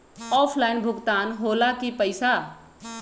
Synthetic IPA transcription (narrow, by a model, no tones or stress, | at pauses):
ɔpʰlaɪnbʱʊkt̪anɦolakipəɪsa